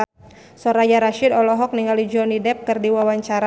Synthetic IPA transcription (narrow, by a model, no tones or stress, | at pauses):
sɔɾajaɾaʃɪdɔlɔɦɔk̚niŋalid͡ʒɔnidɛp̚kɨrdiwawaɲt͡ʃaɾa